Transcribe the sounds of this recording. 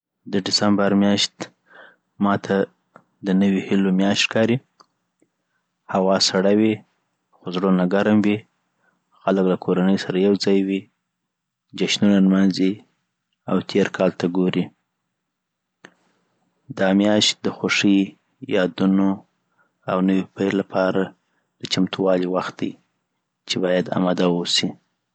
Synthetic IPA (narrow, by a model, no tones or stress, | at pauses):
d̪əɖɪsambaɾmjɑʃt̪ | mɑt̪ʰa | d̪ənəwihilomjɑʃtkɑɾi | hawɑsaɽawi | xozɽonaɡaɾamwi | xaləklakʰoɾanəjsaɾajawd͡zɑjwi | d͡ʒaʃnunanmanzi | a̰wt̪ʰeɾkʰɑlt̪aɡoɾi | d̪ɑmjɑʃt̪̚d̪əxoʂi | jɑd̪uno | awnəwipəjllapʰɑɾa | d̪̥ət͡ʃamt̪ʰuwɑliwaxt̪̚d̪aj | t͡ʃebɑjad̪a̰mad̪awosi